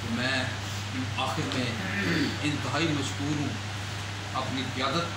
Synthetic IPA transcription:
omɛ̃ː | aːxɪɾmẽː | ɪ̃nt̪ɪɦaːimɐʃkuːɾɦũː | ɐpniːkɪjaːd̪ət̪̚

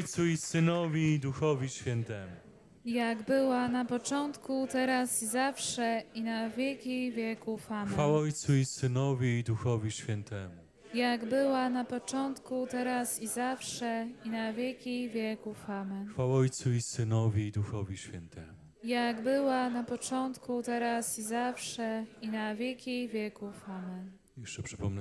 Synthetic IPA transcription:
jt̪suisɘnɔvʲiːd̪uxɔvʲiɕfʲjɛnt̪ɛmu | jaɡbɘwanapɔt͡ʂɔnt̪kut̪ɛɾasizafʂɛinavʲjɛlkʲivʲjɛkufamɛfawɔjt̪suisɘnɔvʲiːd̪uxɔvʲiɕfʲɛnt̪ɛmu | jaɡbɘwanapɔt͡ʂɔnt̪kut̪ɛɾasizafʂɛinavʲjɛlkʲijvʲjɛkufamɛnfawɔjt̪suisɘnɔvʲiːd̪uxɔvʲiɕfʲɛnt̪ɛmu | jaɡbɘwanapɔt͡ʂɔnt̪kut̪ɛɾasizafʂɛinavʲjɛlkʲijvʲjɛkufamɛn | jɛʂt͡ʂɛpʂɘpɔmnɛ

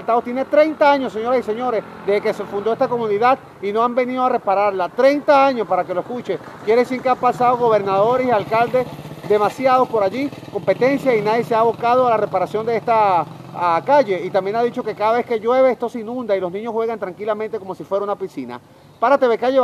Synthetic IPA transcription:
lt̪aβot̪jenet̪ɾejnt̪aaɲosːeɲo̞ɾasise̞ɲo̞ɾe̞s | d̪eeke̞sefund̪oest̪ako̞mũniðað | ino̞ambe̞niðoare̞paɾaɾlat̪ɾe̞jnt̪aaɲo̞spaɾake̞loeskut͡ʃekjeɾesieŋkeampasaðoɣo̞βe̞ɾnaðo̞ɾesialkald̪e̞sd̪e̞masjað̞o̞spo̞ɾaʝiko̞mpe̞t̪e̞nsjainaðjeseaːβo̞kaðoalare̞paɾasjo̞nd̪e̞est̪a | kaʝe̞it̪ambje̞naðit͡ʃoke̞kaðaβe̞ske̞ʝwe̞βeest̪o̞seinũnd̪ailo̞znĩɲosxwe̞ɣant̪ɾaŋkilamẽnt̪e̞ko̞mo̞sifwe̞ɾaunapisina̰ | paɾat̪e̞βekaje

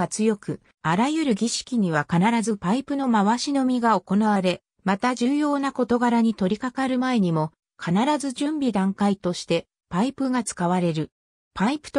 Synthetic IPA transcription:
at͡sɨjo̞kɯ̟ | aɾajɯ̟ɾɯ̟ɡʲiɕi̥kʲiɲ̟iβ̞akanaɾazɨpaipɯ̟no̞maβaɕino̞mʲiɡao̞ko̞naβ̞aɾe̞ | mat̪aʑɨːjo̞ːnako̞t̪o̞ɡaɾaɲ̟it̪o̞ɾʲikakaɾɯ̟mae̞ɲ̟imo̞ | kʰanaɾazɨʑɨ̃mbʲid̪ãŋkait̪o̞ɕi̥t̪e̞ | paipɯ̟ɡat͡sɨ̥kaβ̞aɾe̞ɾɯ̟ | paipɯ̟̥t̪

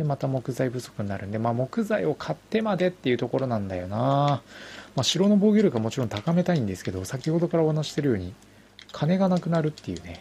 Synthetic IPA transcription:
emat̪amo̞kɯ̟zaibɯ̟so̞̥kɯ̟ɲ̟naɾɯ̟nd̪e̞maːmo̞kɯ̟zaio̞kʰat̪ːe̞mad̪e̞t̪ːe̞jɯ̟t̪o̞ko̞ɾo̞nãnd̪a̰jo̞na | maːɕiɾo̞no̞boːɡʲiɾɯkamo̞t͡ɕiɾõ̞nt̪akame̞t̪aĩnd̪e̞sɨ̥ke̞d̪o̞sakʲiho̞d̪o̞kaɾaohanaɕi̥t̪e̞ɾɯjo̞ːɲ̟i | kʰane̞ɡanakɯ̟naɾɯ̟t̪ːe̞jɯ̟̰ːne̞

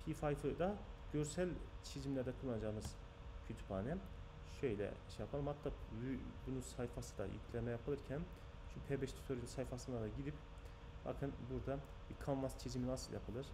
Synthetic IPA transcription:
pʰifajfɯd̪aɟøɾsælʲt͡ʃʰizimlʲæɾd̪ɛkʰulˠːanad͡ʒaːɯmɯz̥ | cʰyt̪ʰy̥pʰaːnɛ | ʃø̞jlʲɛ̰iʃejapʰalˠɯmhat̪ʰlaːybunusajfasɯd̪a̰jy̰cʰlʲɛmɛjapʰɯlˠɯɾcʰæn | ʃupʰebɛʃt̪ʰy̥t̪ʰoɾilʲsajfasɯnd̪ad̪aɟid̪ip | b̥a̰kʰɯnbuɾd̪a | bikʰanmast͡ʃʰiziminasɯlˠja̰pʰɯlˠɯɾ̥

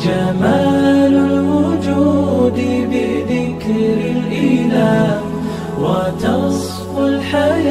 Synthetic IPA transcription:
d͡ʒamaːlʊlwʊd͡ʒuːd̪ɪbɪðɪkɾɾɪlʔɪlaːh | wat̪ɑsˤ | fʊlħaja

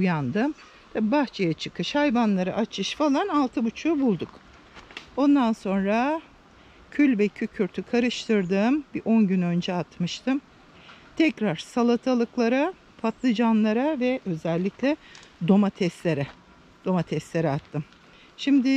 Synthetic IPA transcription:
ujand̪ɯm | t̪ʰabibaxt͡ʃʰejat͡ʃʰɯkɯʃhajvanlˠaɾaʔat͡ʃʰɯʃfalˠanalˠt̪ʰɯbut͡ʃʰuːbulˠd̪uk | o̞nd̪anso̞nɾa | cʰylʲvɛcʰycʰyɾt̪ʰykʰaɾɯʃt̪ʰɯɾd̪ɯːmbiʔo̞nɟynø̞nd͡ʒɛat̪mɯʃt̪ʰɯm | t̪ʰɛcɾaɾ̥salˠat̪ʰalˠɯklˠaɾa | pʰat̪lˠɯd͡ʒanlˠaɾavɛʔø̞zɛlʲːiclʲɛd̪o̞mat̪ʰɛst̪lʲeɾɛ | d̪̥o̞mat̪ʰɛst̪lʲeɾɛat̪ʰːɯm | ʃimd̪ɪ

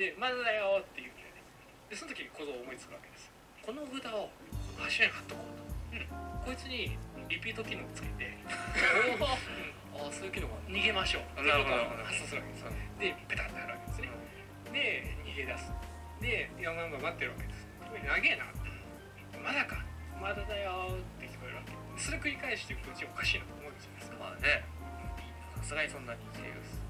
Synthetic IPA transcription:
d̪̥e̞mazad̪ajot̪ːe̞jɯed̪es | d̪eso̞not̪okʲiɲ̟ikʰo̞zo̞ːmo̞it͡sɨ̥kɯ̟βake̞d̪esɨ̥ | ko̞no̞ɡɯ̟d̪aoɡaɕiaɾihḁt̪ːokoːt̪o̥ko̞it͡sɨɲ̟iɾʲipʲiːt̪o̞kʲinokot͡sɨ̥ke̞t̪e̞ | asoɨkʲinoɡaɲ̟iɡe̞maɕo̞̰ːt̪eːkot̪ohãsoːsɨɾɯβaked̪esd̪e̞pet̪at̪ːenaɾɯ̟βa̰ke̞d̪esɨne | d̪e̞ɲʲihed̪asɨ̥ | d̪e̞ɡamãŋɡamat̪ːe̞ɾɯβake̞d̪e̞sɨ̥ | onaɡe̞na | mazakamad̪ad̪ajot̪ːe̞kʰʲi̥kʲi̥ekɯɾeɾɯβaked̪eso̞ɾe̞kɯ̟ɾʲikaeɕi̥t̪ekt̪ot͡ɕiaokaɕiːnot̪oomoĩnd͡ʑanesɨ̥kḁa̰ne | iasɨɡaɲisõ̞nːaɲʲikḛd̪a̰sɨ̥

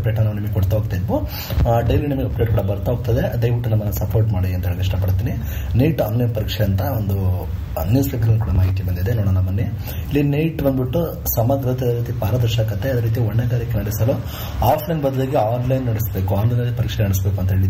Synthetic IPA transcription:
pɾeːʈɐnaːʋnimɐɡekɔɽt̪ɐɦoɡ̚t̪ɐjid̪ʋu | aːɖɐjlinimɐɡeɐpɾeːʈkuːɽɐbɐɾt̪ɐɦoɡ̚t̪ɐd̪ed̪ɐjʋiʈːunɐmːɐnːɐsɐpoːɾʈmaːɽiɐnt̪ɐɦeːɭɡeiʂʈɐpɐɽt̪iːni | nejʈaːnlɐjnpɐɾikʂɛɐnt̪ɐond̪u | njuːspeʈɐɡɐlːukuːɽɐmaːɦit̪ibɐnd̪id̪enoːɽanɐmːɐnːe | ilːinejʈbɐnd̪biʈːu | sɐmɐd̪ɾɐt̪ɐɾiːt̪ipaːɾɐd̪ɐɾʃaːkɐt̪ːeɐd̪ɐːɾiːt̪ijɐʋɔɳːɛɡaːɾikːenɐɽisɐlo | aːpʰlɐjnbɐd̪ɐleɡeaːnlɐjnːɐɽisbeːkuaːnlɐjnɐlːipɐɾikʂɛnɐɽisbeːkuɐnt̪ɐɦeːɭi

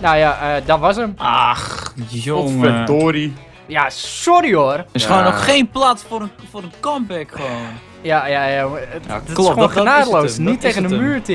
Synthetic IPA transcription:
nojaədɔtʋɔsəmax | fɛtoːɾi | jasoɾioərɪsoːnoxxeːnplatfoɾəfoɾənkɔmbɛkxoː | jajajja | ɪsəoːnχənaːdəlowsnitːejɣəndəmyːrti

